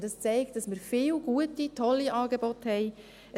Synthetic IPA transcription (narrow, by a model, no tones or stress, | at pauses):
d̥ɑst͡sɛɪkt̚d̥ɑsmɪɾfiːlɡ̥uətitʰɔlːiʔɑːɡebɔthɛɪ | ə